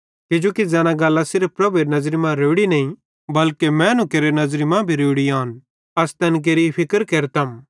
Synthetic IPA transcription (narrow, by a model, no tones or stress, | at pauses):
kɪd͡ʒoːkid͡zɛːñãɡɐlːasɪɾp̚ʰpɾɐbueɾnɐzɾimãɾoːɽinɐĩ | bɐlkemɛ̃nũkeːɾenɐzɾimãbʱiɾoːɽiaːn | ɐst̪ɛnk̬eːɾipʰɪkəɾkeːɾt̪ɐm